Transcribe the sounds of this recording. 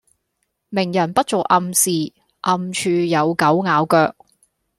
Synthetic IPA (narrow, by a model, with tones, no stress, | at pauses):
mɪ˨˩ŋjɐ˨˩npɐ˥t̚t͡so˨wʔɐ˧msiː˨ | ʔɐ˧mt͡ʃʰyː˧jɐ˨˧wkɐ˨˥wŋaː˨˧wkœː˧k̚